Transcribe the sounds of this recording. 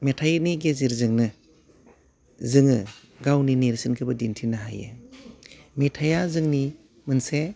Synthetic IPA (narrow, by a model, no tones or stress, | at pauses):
metʰajniɡeziɾzɯŋnɯ | zɯŋɯ | ɡawnineɾsɯnkʰɯbɐdintʰinaɦajḛ | metʰajazɯŋni | mɯnse